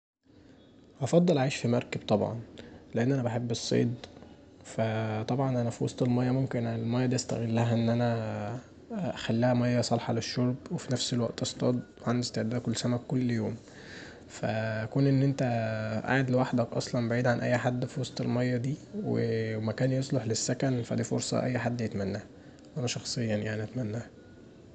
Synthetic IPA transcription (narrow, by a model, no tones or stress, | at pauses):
hɑfɑd̪ˤːelʕeːʃfimɑɾˤkeb̥̚t̪ˤɑbʕɑ̰nleʔenːʔænæbaħebːesˤːḛːd̪ | fæt̪ˤɑbʕɑnʔænæfiwɑ̰sˤt̪ˤelmɑjːɑmomkenʕnelmæjːɑd̪iːʔæst̪æ̰ɣelːæɦæʔenːʔænæ | æxælːæhæmɑjːɑsˤɑlħɑleʃːoɾˤbwefinæfselwæʔt̪ʔɑst̪ˤɑ̰ːd̪ˤwʕand̪est̪eʕd̪æːd̪ækolːsæmækːolːjoːm | fæækuːnʔenːʔent̪æʔa̰ʕed̪lewaħd̪ækʔɑ̰sˤlɑnbaʕiːd̪ʕanʔæ̰jːħad̪ːfiwɑsˤt̪ˤḛlmɑjːɑd̪iːwḛmækæːnjesˤloħlesːækænfæ̰d̪iːfo̰ɾsˤɑ̰ʔæ̰jːħad̪ːjet̪mænːæːhæ | wʔænæʃɑxsˤejːɑnjaʕniʔæt̪mænːæːhæ